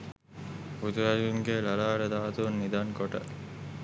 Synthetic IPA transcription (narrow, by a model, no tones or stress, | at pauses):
ut̪uʋæɾiuŋɡeːlɐlaːɖɐd̪aːt̪unːid̪aŋkoʈə̰